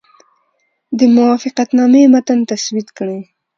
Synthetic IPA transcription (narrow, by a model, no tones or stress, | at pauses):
d̪əmʊwɑfɪqat̪nɑmemat̪ant̪aswit̪kɽe